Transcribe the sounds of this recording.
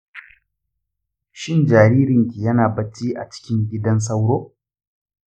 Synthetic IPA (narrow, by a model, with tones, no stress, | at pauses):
ʃɪ˦˨nd͡ʒaː˨ɾiː˦ɾɪ˨ŋkʲiː˨jɐ˦naː˨bɐ˦t͡ʃiː˦ʔa̰˨t͡ʃɪ̥˦kʲɪ˦ŋɡʲɪ˦dɐ˦ns̬ɐ˦wɽoː˦